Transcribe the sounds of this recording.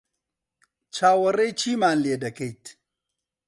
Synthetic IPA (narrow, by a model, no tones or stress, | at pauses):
t͡ʃaːwɐɾejt͡ʃiːmanleːdɐket